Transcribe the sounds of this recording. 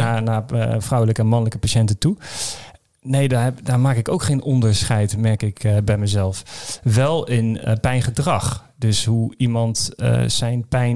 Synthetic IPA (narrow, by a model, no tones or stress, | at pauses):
anafrɔwləkəɛnmɑnləkəpaʃɛntətu | nejdadamaːkɪkowkχeːnɔndəɹsχɛjtmɛrkɪkbɛjməzɛlˠfʋɛlˠɪnpɛjnχədrɑx | døshuimɑntsɛjnpɛj